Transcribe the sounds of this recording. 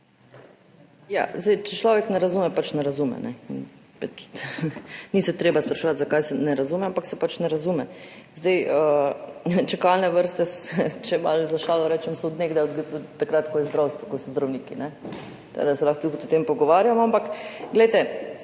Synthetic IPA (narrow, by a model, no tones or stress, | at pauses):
ja̰ːzdɛjt͡ʃɛt͡ʃlɔːʋɛknɛɾazuːmɛpat͡ʃnɛɾazumɛ̰nɛ̰ḭn | pat͡ʃ | nisɛt̪ɾeːbaspɾaʃɛʋat̪zakajsɛnɛɾazumɛampaksɛpat͡ʃnɛɾazumɛzd̪ɛjə | t͡ʃɛkalnɛʋəɾst̪ɛst͡ʃɛmalzaʃaːlɔɾɛːt͡ʃɛmsɔːd̪neːɡd̪aɡt̪ːakɾat̪kɔjɛzd̪ɾawst̪ʋɔkɔsɔzd̪ɾawniːkḭnɛ | t̪a̰d̪asɛlaxt̪ut̪kɔt̪ɔt̪empɔɡɔʋaːɾjamɔampakɡlɛjt̪ɛ